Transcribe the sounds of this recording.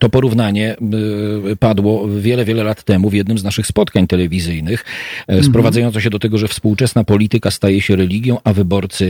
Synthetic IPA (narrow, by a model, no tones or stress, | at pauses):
t̪ɔpɔɾuvnaɲɛ | pad̪wɔvʲjɛlɛvʲjɛlɛlat̪ːɛmuvʲjɛd̪nɘmznaʂɘxspɔt̪kaɲt̪ɛlɛvʲizɘjnɘxspɾɔvad̪zajɔnt̪ɔɕɛd̪ɔt̪ɛɡɔʐɛfspuwt͡ʂɛsnapɔlʲit̪ɘkast̪ajɛɕɛɾɛlʲiɡʲjɔ̃w̃ʔavɘbɔɾt̪sɘ